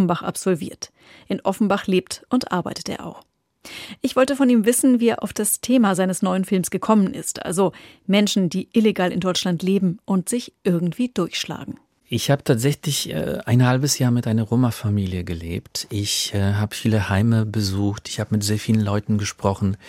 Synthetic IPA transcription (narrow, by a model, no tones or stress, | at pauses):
n̩baχʔa̰pz̥ɔlvḭːɐt | ʔɪnʔɔfn̩baχleːp̚tʔʊntʔa̰ɐba̰ɪtə̥tḛːɐʔa̰ʊx | ʔɪçv̥ɔltəfɔniːmvɪsn̩viːeːɐʔa̰ʊfd̥astʰeːmazaɪnəsnɔʏənfɪlmsɡ̥əkʰɔmənʔɪ̰stʔa̰lzo | mɛnʃn̩diːʔɪleɡaːlɪndɔʏt͡ʃlantleːbm̩ʔʊntz̥ɪçʔɪɐɡŋ̩tv̥iːd̥ʊɐçʃla̰ːɡŋ̩ | ʔɪçhaːbətʰaːtz̥ɛçlɪçɛ̰ʔa̰ɪnhalbəsjaːɐmɪtʔaɪnɐʁoːmafamiːljəɡəlḛːptʔɪçɛɦaːbəfiːləhaɪməbəzuːxtɪ̥çhaːbəmɪtz̥eːɐfiːlən̩lɔʏtn̩ɡəʃpʁ̥ɔχn̩